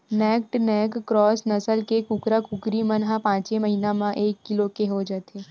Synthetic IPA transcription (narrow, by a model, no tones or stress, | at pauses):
nɛːk̚ʈnɛːkːɾɔːsnəsəlkekʊkɾakʊkɾimənɦãpãːt͡ʃeməɦiːnamãʔeːkːɪlokeɦod͡ʒaːt̪eː